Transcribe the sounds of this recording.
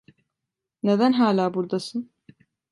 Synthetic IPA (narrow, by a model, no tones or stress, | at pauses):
ned̪ænɦaːlʲaːbuɾd̪asɯn